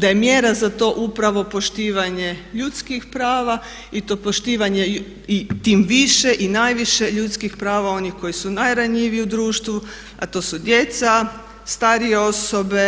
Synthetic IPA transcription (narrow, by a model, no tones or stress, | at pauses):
d̪ajemjeːɾazat̪o̞ʔupɾaʋo̞po̞ʃt̪iːʋaɲe̞ʎut̪skixpɾaːʋa | it̪o̞ːpo̞ʃt̪iːʋaɲe̞ | it̪iːmʋiʃe̞ʔinajʋiʃe̞ʎut̪skixpɾaːʋao̞nixko̞jisunajɾaɲiʋiiud̪ɾuːʃt̪ʋu | a̰t̪o̞ːsud̪je̞t̪sa | st̪aːɾijeo̞so̞be